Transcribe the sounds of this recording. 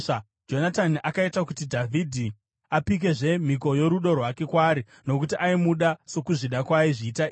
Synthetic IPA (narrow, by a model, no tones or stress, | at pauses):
d͡ʒo̞nataniʔakaitakutidʱavʱidʱi | apik̬e̞ʐe̞m̤iko̞jo̞ɾuɗo̞rwake̞kwaːɾi | no̞k̬utiʔaimuɗaso̞kuʐiɗakwaiʐiːta